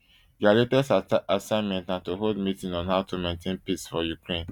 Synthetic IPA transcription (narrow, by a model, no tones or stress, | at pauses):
jalepɛsasãɪ̃nmɛ̃ntnãntoɦold̚mitĩnɔ̃nhaʊtʰomẽntʰẽnpissfɔjukɹẽn